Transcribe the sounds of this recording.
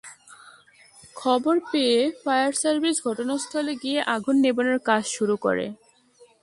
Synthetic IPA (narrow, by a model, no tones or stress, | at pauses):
kʰɔboɾpeefajaɾsaɾbʱisɡʱɔʈonast̪ʰɔleɡieʔaɡʱunːeboneɾkad͡ʑʃuɾukɔ̰ɾḛ